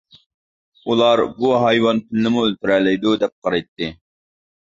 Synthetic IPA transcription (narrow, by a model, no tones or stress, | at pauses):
ulˠɑɾbuɦɑjwɑnpʰɪlɪnɪmuølt̪ɪɾɛlɛjd̪ud̪ɛp̚qʰɑɾɑjt̪ʰːɨ